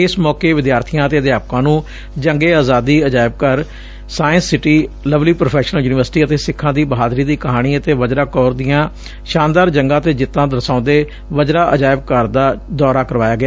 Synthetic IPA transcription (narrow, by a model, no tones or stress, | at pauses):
ɪsmɔːkeːʋɪd̪jaːɾt̪ʰijãːət̪eːəd̪jaːp̚kãːnũː | d͡ʒəŋɡeːaːzaːd̪iːəd͡ʒaːɪb̚kəɾ | saːɪə̃nsːɪʈiːləʋliːpɾopʰɛːʃnəljuːnɪʋəɾsʈiːət̪eːsɪkʰːãːd̪iːbəɦaːd̪ɾiːd̪iːkəɦaːɽ̃iːət̪eːʋəd͡ʒɾaːkɔːɾd̪ijãː | ʃãːnd̪aːɾd͡ʒəŋɡãːt̪eːd͡ʒɪt̪ːãːd̪əɾsãːnd̪eː | ʋəd͡ʒɾaːʔəd͡ʒaːɪb̚kəɾd̪aːd̪ɔːɾaːkəɾʋaːjaːɡɪaː